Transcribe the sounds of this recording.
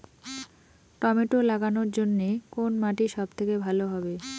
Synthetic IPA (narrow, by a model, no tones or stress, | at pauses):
ʈɔmeʈolaɡanoɾd͡ʑonːekonmaʈiʃɔbt̪ʰekebʱaloɦɔbe